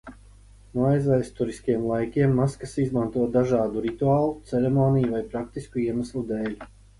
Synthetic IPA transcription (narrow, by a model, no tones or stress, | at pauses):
nuajzvajst̪uɾiskiɛmlˠajkʲiɛmːaskasizmant̪uɔd̪aʒaːd̪uɾit̪uaːlˠut̪sɛɾɛmoːnijuvajpɾakt̪iskuiɛmaslˠud̪eːlʲ